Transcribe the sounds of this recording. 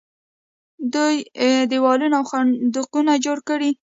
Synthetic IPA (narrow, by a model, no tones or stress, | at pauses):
d̪ujd̪əwɑlunaawxand̪ʊqunad͡ʒoɽkəɽi